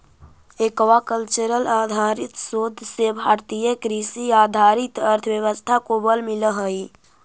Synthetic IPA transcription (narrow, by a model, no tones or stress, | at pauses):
ekʋakəlt͡ʃəɾəlaːd̪ʱaɾit̪sod̪ʱsebʱaːɾt̪ijəkɾisiaːd̪ʱaɾit̪əɾt̪ʰəʋjəʋəst̪ʰakobəlmiləɦəi